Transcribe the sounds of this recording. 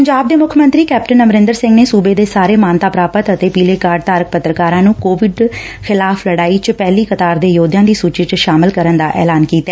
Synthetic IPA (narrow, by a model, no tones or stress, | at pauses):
pəɲd͡ʒaːb̚d̪eːmʊkʰmə̃nt̪ɾiːkɛːp̚ʈənːəmɾɪ̃nd̪əɾsɪ̃ŋɡneːsuːbeːd̪eːsaːɾeːmaːnt̪aːpɾaːpət̪ət̪eːpiːleːkaːɾɖ̚t̪aːɾək̚pət̪ːɾəkaːɾãːnũːkoːʋɪɖ | xʰɪlaːfʰləɽaːiːt͡ʃpɛːliːkət̪aːɾd̪eːjoːd̪jãːd̪iːsuːt͡ʃit͡ʃʃaːmɪlkəɾənd̪aːʔɛ̰ːlaːnkiːt̪aɛ